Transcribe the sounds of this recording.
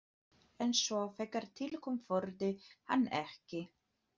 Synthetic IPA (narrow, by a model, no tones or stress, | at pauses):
ɛnsvɔfɛkːaɾ̥t̪ʰɪlkʰɔmfɔɾt̪ɪha̰nːɛ̰hcɪ